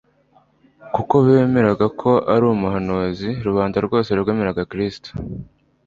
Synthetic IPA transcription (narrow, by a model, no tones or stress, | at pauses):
kuko̞βe̞ːme̞ɾaɡakʰo̞ʔaɾuːumuɦanoziɾuβaːndaɾɡo̞ːseɾuɡamiɾaɡakɾisto̥